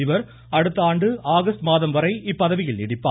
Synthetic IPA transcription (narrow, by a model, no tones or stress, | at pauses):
ɪʋɐɾ | ɐɽɯt̪ːaːɳɖɯʔaːɣɐst̪maːðɐmʋɐɾɐɪɪpːɐðɐʋɪjɪlnɪɽɪpːa̰ː